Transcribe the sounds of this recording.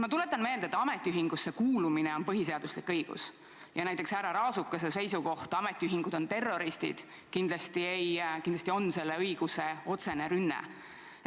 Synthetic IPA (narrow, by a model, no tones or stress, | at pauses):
mɑt̪ule̞t̪ːˑɑnme̞ːld̪et̪ːɑme̞t̪ʲːˑiyɦiŋɡ̥usːe̞kuːlumine̞o̞npɤɦis̬e̞ɑd̪uslikːɤjɡ̥ṵs | jɑnæjt̪ːˑe̞ksæɾɑɾɑːsukːɑsese̞jsuko̞ht̪ɑme̞t̪ˑːiyɦiŋɡ̥ud̪o̞nt̪e̞rːo̞ɾist̪ḭd̪̥ | kind̪lɑst̪iejkind̪lɑsʲt̪io̞nse̞lːeɯjɡ̥use̞o̞t̪se̞ne̞ɾynːḛ